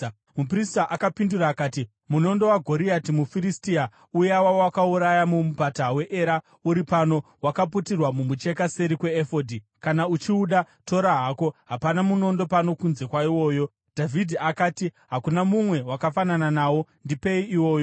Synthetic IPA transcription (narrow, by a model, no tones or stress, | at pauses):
mupristaʔakapinduɾaːkaːti | muno̞ndo̞waɡʱo̞ɾiatimufiɾistia | ujawawakauɾajamumupatawe̞ʔeɾa | uɾipano̞ | wakap̬utirwamumut͡ʃe̞kaseɾikwe̞ːfo̞dʱi | kanaut͡ʃiuɗa | to̞ɾaɦako̞ɦapanamuno̞ndo̞pano̞kunze̞kwaiwo̞ːjo̞ | d̥ʱavidʱiakaːtiɦakunamumwe̞wakafanananaːwo̞ndipe̞iiwo̞ːjo